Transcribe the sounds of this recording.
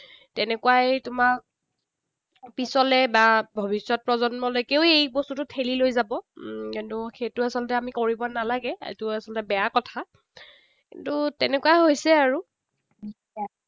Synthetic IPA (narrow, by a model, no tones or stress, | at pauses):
tɛnɛkuwajtʊma | pisɔlɛbabʱobisːɔt̚pɹɔzɔnmɔlojkeʊejbɔstutʊtʰelilojzabɔkintʊkʰetʊasɔlɔtɛamikoɹibɔnalaɡɛ̰tʊasɔlɔtɛbɛjakɔtʰa | kḭntutɛnɛkuaɦojsɛaɹu | i | a